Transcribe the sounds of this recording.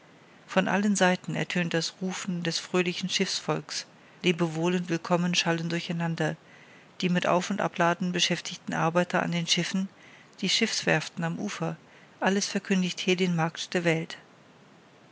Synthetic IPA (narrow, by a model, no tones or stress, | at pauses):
fɔnʔa̰lənzaɪtn̩ɛ̰ɐtʰøːntd̥asʁuːfn̩dɛsfʁ̥øːlɪçn̩ʃɪfsfɔlks | liːbəvoːlənvɪlkʰɔmənʃaləndʊɐçaɪnandɐ | d̥iːmɪtʔa̰ʊfʊntʔa̰plaːdn̩bəʃɛftʰɪçtn̩ʔa̰ɐbaɪtɐʔa̰ndeːnʃɪfn̩ | d̥iːʃɪfsv̥ɛ̰ɐftn̩amʔuːfɐ | ʔaləsfɛɐkʰʏndɪçthiːɐdenmaɐktd̥eːɐvɛlt